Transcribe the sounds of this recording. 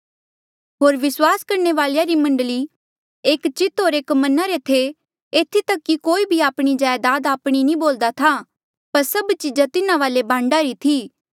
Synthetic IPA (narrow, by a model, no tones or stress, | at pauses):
ɦoːɾʋɪswaːskɐɾneʋaːljaɾimɐ̃ɳɖli | eːkt͡ʃɪt̪oːɾeːkmɐnaɾet̪ʰe | eːt̪ʰit̪ɐkːikoːibʱiaːpɽ̃id͡ʒaːjd̪aːd̪aːpɽ̃inĩboːld̪at̪ʰa | pɐɾsɐbt͡ʃɪd͡ʒat̪ɪnãʋaːlebãːɳɖaɾit̪ʰiː